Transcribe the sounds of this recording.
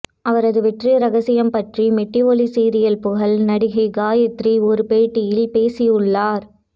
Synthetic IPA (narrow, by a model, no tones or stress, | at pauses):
ɐʋɐɾɐðɯʋɛʈriɾɐɣɐsɪjɐmpɐʈrimɛʈːiʋɔlisiːɾɪjɐlpʊɣɐlnɐɽɪɣɐɪɡaːjɐt̪riɔɾɯpeːʈːɪjɪlpeːsɪjɯɭːaːɾ